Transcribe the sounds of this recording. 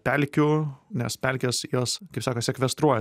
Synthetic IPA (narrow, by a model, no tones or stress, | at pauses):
pʲɛlʲkʲʊnʲɛspʲɛlʲkʲeːsjoːskɐɪpsɑːkɐsʲɛkʋʲɛst̪ɾuɔjɛ